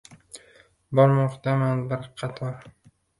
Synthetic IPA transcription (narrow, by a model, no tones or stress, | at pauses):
bɒɾmɒqt̪amanbɪɾqʰɑt̪ʰɒɾ